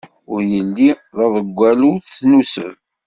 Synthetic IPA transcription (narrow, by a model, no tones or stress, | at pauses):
ʊɾjəlːiðˤɑðˤəɡʷːæluθθnusə̰ɾ